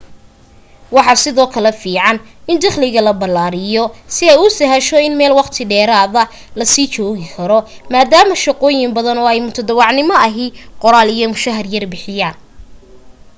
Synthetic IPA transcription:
wɑħɑsɪðɔːkʰɐlɛfiːʕɑnɪnd̪ɐχlɪɣɐlɐbɐlːaːɾɪjɔsɪɛjʊsɛɦɛʃɔɪnmɛːlwɑqt̪ʰɪɖɛːɾaːðɐ | lɐsiːt͡ʃɔːɣɪkʰɐɾɔmaːd̪aːmɐʃɑqɔːjɪmbɐðɐnɔːɛjmʊt̪ʰɐd̪ɐwɑʕnɪmɐɐɦɪqɔɾaːlijɔmʊʃɐɦɐrjɐrbɪħɪjaːn

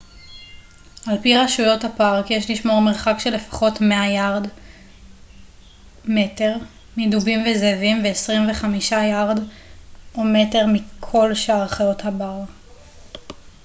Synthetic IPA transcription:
ʔalpiʁaʃujo̞thapaʁkjeʃliʃmoʁmeʁχakʃe̞le̞fḁχo̞tmeajaʁd | mete̞ʁ | midubimvezevimveːsʁimve̞χamiʃajaʁd | ʔome̞te̞ʁmikʰo̞lʃaaʁχajo̞thabaʁ

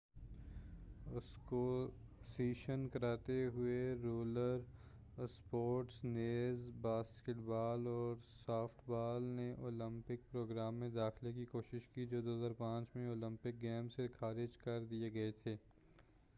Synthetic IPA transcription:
ʊsko | siːʃənkɐɾaːt̪eɦʊeɾuːləɾ | spoːʈsneːzbaːskeʈbaːlɔːɾsaːfʈʰbaːlneʔoːlə̃mpɪk̚pɾoːɡɾaːmːẽd̪aːxlek̬ikoːʃɪʃkid͡ʒoːd̪oːɦzaːɾpãːt͡ʃmẽoːlɪ̃mpɪk̚ɡɛːmsekʰaːɾɪd͡ʒkɐɾd̪ieɡɐet̪ʰeː

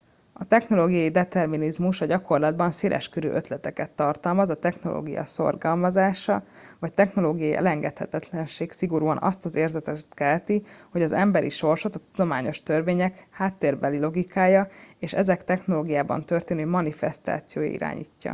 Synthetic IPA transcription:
ɒt̪ɛxno̞loːɡijɒjid̪ɛt̪ɛrminizmuʃɒɟɒko̞rlɒd̪bɒnseːlʔɛ̰ʃkøɾø̰ːʔøt̪lɛt̪ɛkɛt̪ːɒrt̪ɒlmɒzɒt̪ɛxno̞lo̰ːɡijɒ̰so̞̰rɡɒlmɒzaːʃɒvɒct̪ɛxno̞loːɡijɒjiʔɛ̰lɛŋɡɛt̪hɛt̪ɛt̪lɛnʃeːksiɡo̞ɾuːɒnʔɒ̰st̪ɒzeːrzɛt̪ɛt̪kɛlt̪iho̞ɟɒzɛmbɛɾḭʃo̞rʃo̞t̪ɒt̪ud̪o̞maːɲo̞ʃt̪ørveːɲɛkhaːt̪ːeːrbɛlilo̞ɡikʰaːjɒeːʃɛ̰zɛkt̪ɛxno̞loːɡijaːbɒ̰nt̪ørt̪eːnøːmɒnifɛst̪a̰ːt̪sijo̰ːjɒ̰ḭɾa̰ːɲḭːcːɒ̰

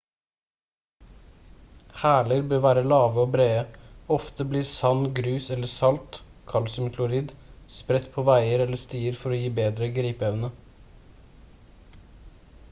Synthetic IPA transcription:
hæːləɾbøːʋæːɾəlɑːʋəoːbɾeːəɔft̪əbliːɾsɑnɡɾʉːsɛləsɑlt̪ | kʰɑlsʉmklʊɾɪd̪spɾɛt̪pʰoːʋæɪəɾɛləst̪iːəɾfɔɾoːjiːbeːd̪ɾəɡɾiːpœʋnə

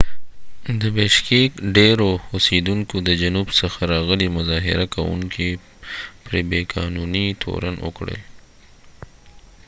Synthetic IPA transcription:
d̪əbeʃkekɖeɾoʊsed̪uŋkod̪əd͡ʒanubsəxaɾɑɣəlimʊzɑɦɪ̰ɾakawṵŋkʰi | pɾebekʰɑnunit̪ʰo̰ɾanʊ̰kɽə̰l

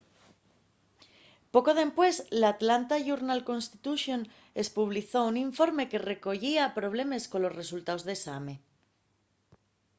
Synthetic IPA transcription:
po̞ko̞ðe̞mpwe̞slaːt̪lant̪aʝuɾnalko̞nst̪it̪uʃjo̞n | e̞spuβ̞liθo̞uniɱfo̞ɾme̞ke̞re̞ko̞ʝiapɾo̞β̞le̞me̞sko̞nlo̞sre̞sult̪aozðe̞sa̰me̞

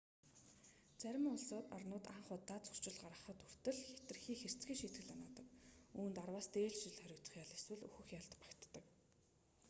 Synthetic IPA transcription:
t͡sæɾʲɪ̆mʊɮsʊːt̪ɔrnʊːt̪aɴχʊːt̪ːat͡sɵ̥r̥t͡ɕɪ̆ɮɢaɾə̆χə̆t̪ʰur̥t̪ɘ̆ɮxet̪ɘ̆rxiːxer̥t͡sɡʲiːŋʃit̪ɡɘ̆ɮanaːt̪ə̆kuːnt̪arwaːst̪eːɮt͡ɕɪɮχœɾʲʊ̆kt͡sə̆χjaɮeswɘ̆ɮṵxɘ̆xjaɮt̪pḁkt̪ːə̆k

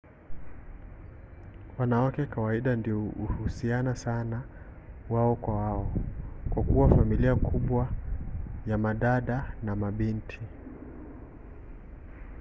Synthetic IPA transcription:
wanawakɛkawaiɗandiɔuhusianasanawaɔkwawaɔkwakuwafamiliakʰuɓwa | jamaɗaɗanamaɓintʰi

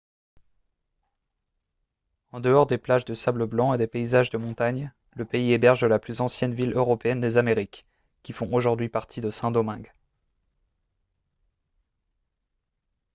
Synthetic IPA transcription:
ɑ̃d̪əɔʁd̪eplaʒd̪əsabləblɑ̃ed̪epeizaʒd̪əmɔ̃t̪aɲ | ləpeiebɛʁʒd̪əlaplyzɑ̃sjɛnviløʁɔpeɛnd̪ezameʁikʲː | ifɔ̃oʒuʁd̪ɥipaʁt̪ʰid̪əsɛ̃d̪omɛ̃ɡ

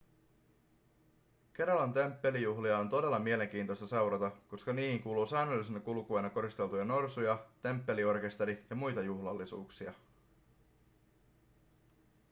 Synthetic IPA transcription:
k̟e̞ɾɑlɑnt̪e̞mpːe̞lijuɦliɑont̪o̞de̞lːɑmie̞le̞ŋk̟iːnt̪o̞jst̪ɑse̞wɾɑt̪ɑko̞skɑniːhiŋkuːluːsæːnølːisenɑkulkuɑjnɑko̞ɾist̪e̞lt̪ujɑno̞rsujɑt̪e̞mpːe̞lio̞rke̞st̪e̞ɾijɑmujt̪ɑjuhlɑlːisṵːksiɑ

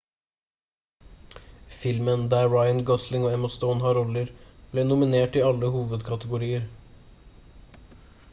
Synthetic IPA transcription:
fɪlmənd̪æːɹɑɪənɡɔslɪŋoːɛmɑst̪ɔʊnhɑɾɔləɾb̥lɛːnʊmɪneːʈɪɑlːəhuːʋəd̪kʰɑt̪əɡʊɾiːəɾ

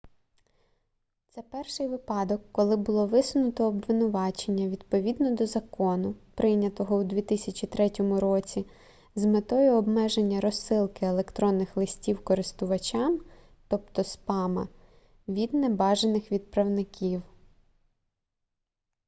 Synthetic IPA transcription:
t̪sɛpɛrʃɪjʋɪpɑd̪ɔkːɔlˠɪbʊlˠɔʋɪsʊnʊt̪ɔːbʋɪnʊʋɑt͡ʃenʲːɐʋʲid̪pɔʋʲid̪nɔd̪ɔzɐkɔnʊpɾɪnʲɐt̪ɔɦɔud̪ʲʋʲit̪ɪsʲɐt͡ʃʲit̪ɾɛtʲɔmʊɾɔt͡sʲi | zmet̪ɔjʊɔbmɛʒenʲːɐɾɔsːɪlˠkɪelˠekt̪ɾɔnːɪxlˠɪsʲtʲiwkɔɾɪst̪ʊʋɐt͡ʃʲɑm | t̪ɔpt̪ɔspɑmɐ̰ | ʋʲid̪nebɑʒenɪxʋʲid̪̚pɾɐwnɪkʲiw

